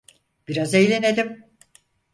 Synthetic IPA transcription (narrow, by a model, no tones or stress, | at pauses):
b̥iɾazejlʲened̪im